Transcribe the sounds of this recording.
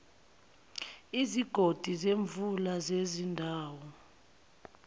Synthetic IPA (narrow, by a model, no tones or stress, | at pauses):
iziɡ̥ʱod̥ʱizeɱvulazezindʱaːwɔ